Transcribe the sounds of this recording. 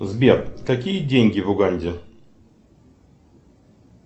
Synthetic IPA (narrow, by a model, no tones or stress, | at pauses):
zbʲjat̪kakʲid͡ʑɛŋʲkʲivuɡaɲʲd͡ʑɛ